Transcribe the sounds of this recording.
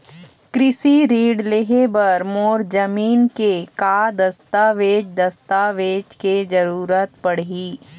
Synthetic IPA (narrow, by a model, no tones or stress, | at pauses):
kɾɪsiɾiːɖleɦebɐɾmoːɾd͡ʒəmiːnkekaːd̪ɐst̪aːʋeːd͡ʒd̪ɐst̪aːʋeːd͡ʒked͡ʒɐɾuːɾət̪pɐɽ̤ɦiː